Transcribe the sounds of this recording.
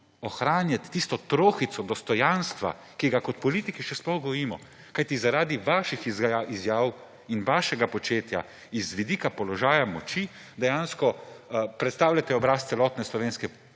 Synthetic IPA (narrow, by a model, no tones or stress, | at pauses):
ɔxɾaːnjat̪ːist̪ɔt̪ɾoːxit̪sɔd̪ɔst̪ɔjanst̪ʋa̰ | kiɡakɔt̪pɔliːt̪ikiʃɛsplɔxɡɔʋɔɾiːmɔ | kajt̪izaɾaːd̪iʋaːʃixizizjaːw | inʋaːʃɛɡapɔt͡ʃeːt̪ja̰ | izʋid̪iːkapɔlɔʒaːjamɔt͡ʃi | d̪ɛjaːnskɔpɾɛt̪st̪aːwlʲat̪ɛɔbɾaːst̪sɛlɔːt̪nɛslɔʋeːnskɛ